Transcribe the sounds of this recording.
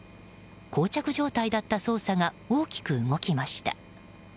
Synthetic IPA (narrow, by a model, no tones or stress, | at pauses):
kʰo̞ːt͡ɕakɯ̟ʑo̞ːt̪aid̪at̪ːaso̞ːsaŋa | o̞ːkʲi̥kɯ̟ɯɡo̞kʲimaɕi̥t̪a̰